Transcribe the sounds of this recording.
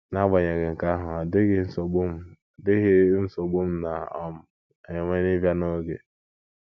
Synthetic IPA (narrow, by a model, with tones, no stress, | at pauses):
na˦ɡ͡ba˨ɲe˨ɡe˨ŋ̩˨ka˦ɦʊ˨a˨de˦ɣe˦n̩˦so˨ɡ͡bu˦m̩˨˦˨ | dɪ˦ɣɪ˦n̩˦so˨ɡ͡bu˦m̩˦na˨ɔ˦m̩˦ | ɔ˨ɲe˨ŋe˦ni˦vja˦no˦ɡḛ˨